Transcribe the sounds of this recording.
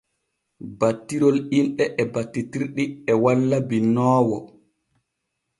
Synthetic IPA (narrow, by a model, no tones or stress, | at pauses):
batːiɾɔlinɗɛʔɛbatːitiɾɗiɛwalːabinɔːwɔ